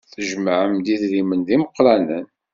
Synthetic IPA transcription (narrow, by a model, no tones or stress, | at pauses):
θəʒmaʕəmd̪iðɾimənðiməqːlænən